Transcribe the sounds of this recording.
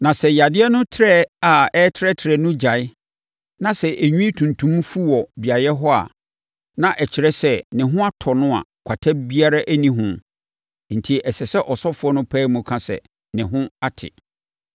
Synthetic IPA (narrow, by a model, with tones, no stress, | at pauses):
nã˨sɛ˨ja˨dɪ˦ɛ˦nʊ̃˦tʰɪ˦ɾɛ˦a˨ɛ˦tʰɪ˦ɾɛ˦tʰɪ˨ɾɛ˨nʊ̃˦d͡ʑa˨ɪ˦ | nã˨sɛ˨ʔæ˨ɲᶣũ˦i˦tʰũ˨ntʰũ˦m˦fu˦wɔ˨bi˨a˨jɛ˦ɦɔ˦a̰˨ | nã˨ʔɛ˨t͡ɕʰɪ˨ɾɛ˦sɛ˦nɪ̃˨ɦʊ̃˦a˦tʰɔ˨nʊ̃˦a̰˨kʷʰa˨tʰa˦bi˦a˦ɾa˦ʔæ˦nĩ˦ɦʊ̃˦ | n̩˨tʰi˨ʔɛ˨sɛ˨sɛ˦ʔɔ˨sɔ˦fʊ˨˦ɔ˦nʊ̃˦pʰɛː˦mũ˨kʰã˦sɛ̰˨ | nɪ̃˨ɦʊ̃˦a˦tʰɪ̰˨